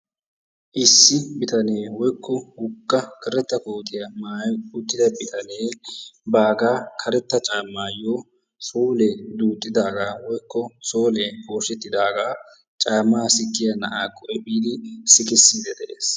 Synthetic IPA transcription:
ʔɪsːɪbɪt̪ɐneːwɔjkːɔhʊkʼːɐkʰɛɾɛt̪ːɐkoːt̪ʰʼɪjɐmaːjʊt̪ːɪd̪ɐbɪt̪ʰɐneːbaːɡaːkʰɐɾɛt̪ːɐt͡ʃʼaːmːaːjoː | soːlɛd̪uːt̪ʼːɪd̪aːɡaːwɔjkʰːɔsoːlɛpo̞ːʃɛt̪ːɪd̪aːɡaː | t͡ʃʼaːmːaːsɪkːɪjɐnɐʔaːkʰʼːɔʔɛbiːd̪ɪsɪkɪsːid̪ɛd̪ɛʔeːs

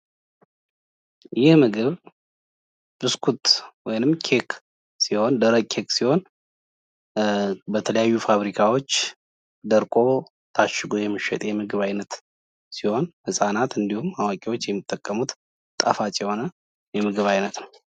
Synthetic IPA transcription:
jɪhmɨɡɨβ | b̥ɨskʰut̪wɔjnɨmkʰe̞kʰ | siho̞nd̪əɾəkʰe̞ksiho̞n | bət̪ʰələjajːufaβɾikʰawo̞t͡ʃː | d̪əɾkʼo̞ | t̪ʰaʃːɪɡojɛmːɨʃɛ̰t̪ʼjɛmɨɡɨβajnət̪ | siho̞nhɨsʼanat̪ɨnd̪ihumawakʼiwo̞t͡ʃːjɛmːɨt̪ʼːəkʼːəmut̪ | t̪ʼːə̰fat͡ʃʼɛho̞nə | jɛmɨɡɨβajnət̪nəw

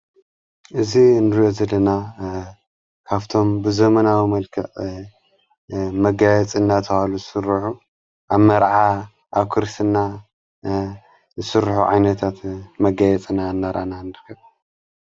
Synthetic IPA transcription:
ʔɨzinɨɾjozɐlːɐna | kʰaβt̪ʰo̞mbɨzɐmɐnawimɐlkʰɐʔ | mɐɡajɛt͡sʼɨnːat̪ʰɨhaluzɨsɨɾɨħu | ʔaβmɐɾʕa | ʔaβkʰɨɾsɨnːa | zɨsɨɾħuʕa̰jnɐt̪ʰat̪mɐɡajɛt͡sʼɨnanːaɾʔa̰nanɨɾɨkʰːɐβ

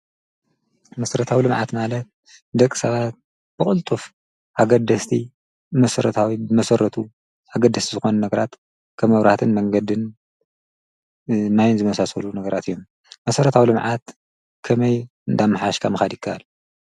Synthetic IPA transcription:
mɐsɐɾɐt̪ʰawilɨmʕa̰t̪malɐt̪̚ | d̪ɐkʼːi̥sɐβat̪̚ | b̥ɨkʼɨlt̪ʼuf | ʔaɡɐd̪ɐst̪ʰi | mɐsɐɾɐt̪ʰawibɨmɐsɐɾɐt̪ʰu | aɡɐd̪ːɐst̪izɨxo̞nɐnɐɡɐɾat̪ | kʰɐβmɐβɾaht̪ʰɨnmɐŋɡɐd̪ɨn | majnzɨmɐsasɐlunɐɡɐɾat̪ɨjːom | mɐsɐɾɐt̪ʰawilɨmʕat̪ | kʰɐmɐj | ɨnd̪amːɨħaʃkʰamɨxad̪jɪkʰːɐʔal

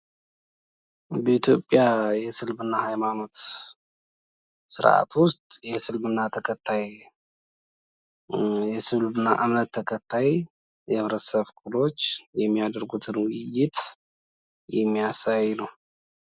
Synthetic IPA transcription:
bəit̪ʰjo̞pʼːjajɛsɨlbɨnːahajmano̞t̪ | sɨ̰ɾa̰t̪ʰwʊst̪ʼjɛsɨlmɨnːat̪ʰəkʰət̪ʰːaj | jɛsɨlbɨnːa̰ʔɨmnət̪ʰːəkʰət̪ʰːaj | jɛβɾəsəβkʰʼulo̞t͡ʃːjɛmːijad̪əɾɡut̪ʰɨnwʊjːɪt̪ | jɛmːijasajːnəw

